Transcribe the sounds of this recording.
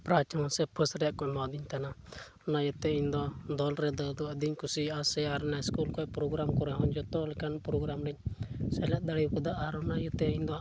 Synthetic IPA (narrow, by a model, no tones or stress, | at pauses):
pɾat͡ʃʰanasɛpʰəsɾɛʔkɔʔmɔd̪iɲt̪ana | ɔnajut̪ɛiɲd̪ɔd̪ɔlɾɛd̪ɔd̪ɔəd̪iɲkusiasɛaɾɛnaskulkɔpɾoɡɾamkɔɾɛɦɔɲd͡ʒɔt̪ɔlɛkanpɾɔɡɾamɾɛɲ̚sɛlɛt̪̚d̪aɽikɔd̪aʔaɾɔnajut̪ɛiɲd̪ɔaʔ